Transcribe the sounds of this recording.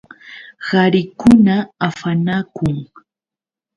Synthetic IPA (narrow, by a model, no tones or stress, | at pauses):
ɢaɾɪkʊnaafanakʊŋ